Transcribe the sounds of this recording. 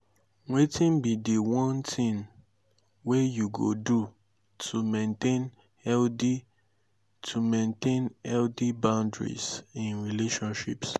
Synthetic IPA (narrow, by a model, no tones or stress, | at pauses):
wetĩnbidewɔ̃ntʰĩn | wejuɡo̰du | tʰumẽntẽn | ɛldi | tʰumẽntẽnɛldibãʊ̃ndɹḭsĩnɹileʃɔ̃nʃḭps